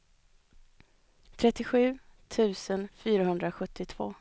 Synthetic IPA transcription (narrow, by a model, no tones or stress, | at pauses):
t̪ʰɾɛt̪ːɪɧʉ̟ːt̪ʰʉ̟ːsənfyːɾahɵnd̪ɾaɧɵt̪ʰːɪt̪ʰv̥o̰ː